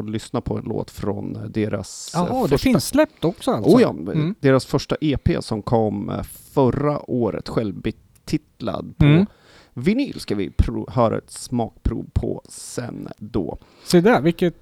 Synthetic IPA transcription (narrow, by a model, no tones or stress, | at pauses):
lʏsnapʰɔɛnlo̰ːt̪fɾɔnd̪eːɾa̰sdfɛʂfɪnsːlɛp̚t̪ɔksɔaluːjɑ̰ːd̪eːɾasfœʂʈaʔeːpʰḛːsɔmkʰɔmː | fœɾaʔoːɾə̰t̪ɧɛlbɪ | t̪ʰɪt̪la̰d̪pʰɔ | vɪniːlskavɪpʰɾuhœːɾa̰ɛ̰t̪smɑːk̚pʰɾṵːvpʰɔsɛ̰nd̪ɔː | sɛd̪vɪkːət̪